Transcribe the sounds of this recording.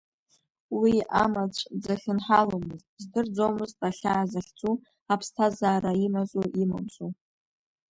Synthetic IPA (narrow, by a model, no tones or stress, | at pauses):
wiamat͡sʷʰd͡zaχʲɪnħalomɨzt̚ʼzdɨrd͡zowmɨztʼaɬʲaːzaχʲt͡sʼu | apʰstʰazaːraimazʼuʔima̰msʼu